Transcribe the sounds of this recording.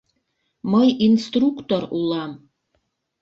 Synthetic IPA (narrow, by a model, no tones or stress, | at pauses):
mɤjinst̪rukt̪oɾulˠɑm